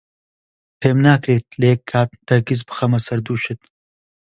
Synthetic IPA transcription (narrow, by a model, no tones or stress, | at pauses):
pʰeːmnaːkɾeːt̪̚leːkʰːaːt̪̚d̪̥ɐɡizbɨxɐmɐsɐɾd̪uːʃɨt̪̚